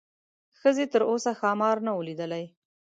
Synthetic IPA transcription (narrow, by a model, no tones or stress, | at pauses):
xəzet̪əɾosaxɑmɑɾnawəlid̪əlaj